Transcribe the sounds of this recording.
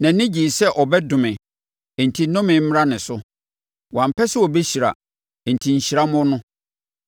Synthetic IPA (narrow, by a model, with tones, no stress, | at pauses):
nã˨nɪ̃˦d͡ʑi˨sɛ˦ʔɔ˨bɛ˦dʊ̃˨mɪ̃˨ | e˨n̩˨tʰi˨nʊ̃˦mɪ̃˨m̩˦ɾa˦nɪ̃˨sʊ˦ | wã˨m̩˨pʰɛ˦sɛ˦ɔ˨be˦ɕi˨ɾa̰˨ | e˨n̩˨tʰi˨ɲ̩˨ɕi˨ɾa˦mʊ̃˦nʊ̃˦